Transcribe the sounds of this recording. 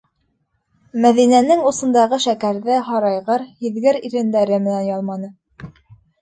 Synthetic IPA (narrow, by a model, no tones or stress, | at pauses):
mæðinænɘŋusɤ̆nd̪ɑʁɤʃækæɾðɘɦɑɾɑjʁɤɾhiðɡɘɾiɾɘ̆nd̪æɾɘmɘ̆nænjɑlˠmɑnɤ